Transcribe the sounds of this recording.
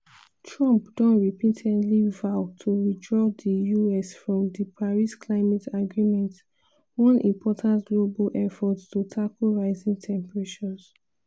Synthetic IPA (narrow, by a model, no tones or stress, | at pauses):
tʰɹɔ̃mpd̥ɔ̃nɹipĩtʰɛ̃ntlivaʊtʰuɹidɹɔdəjuɛsfɹɔ̃mdəpʰaɹiskʰlaɪmɛtʰaɡɹimɛ̃nt | wɔ̃nʔḭ̃mpʰɔtʰãntɡlobalʔɛfɔtstutʰakolɹaɪzĩŋtʰɛ̃mpəɹeʃɔ̃ns